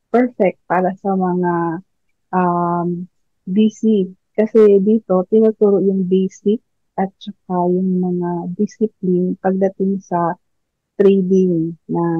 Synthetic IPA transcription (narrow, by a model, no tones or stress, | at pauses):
pɛɹfɛk̚t̪̚paːɾɐsɐmɐŋa | ʔam | bisi | kɐsɛd̪iːt̪o̞t̪ɪnut̪uːɾoʔjʊŋbɛjsɪk̚ | ʔɐt̪̚t͡ʃɐk̚ajʊŋmɐŋad̪ɪsɪp̚lɪnpɐɡ̚d̪ɐt̪ɪŋsɐ | t̪ɾɛjd̪ɪŋnɐ